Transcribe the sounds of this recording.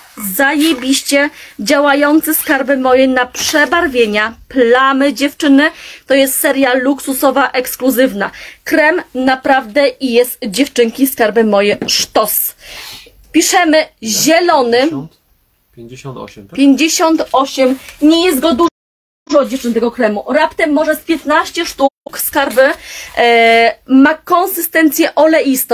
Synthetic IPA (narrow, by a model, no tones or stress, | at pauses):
zajebʲiɕt͡ɕɛd͡ʑawajɔnt̪sɘskaɾbɘmɔjɛnapʂɛbaɾvʲjeɲaplamɘd͡ʑɛft͡ʂɘnɘt̪ɔjɛst̪sɛɾʲjaluksusɔvaʔɛkskluzɘvnakɾɛmnapɾavd̪ɛijɛst̪d͡ʑɛft͡ʂɘŋkʲiskaɾbɘmɔjɛʂt̪ɔs | pʲiʂɛmɘʑɛlɔnɘ | pʲjeɲd͡ʑeɕɔnt̪ɔɕɛmɲɛjɛst̪ɡɔd̪u | ʐɔd͡ʑɛft͡ʂɘnt̪ɛɡɔkɾɛmuɾapt̪ɛmːɔʐɛspʲjɛt̪naɕt͡ɕɛʂt̪ukskaɾbɘ | makɔnsɘst̪ɛnt̪sʲjɛʔɔlɛjist̪